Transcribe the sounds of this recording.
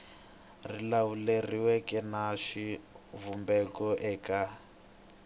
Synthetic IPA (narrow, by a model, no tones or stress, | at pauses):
rilawuleriwɛkɛnaʂi | vumbɛkɔʔɛːka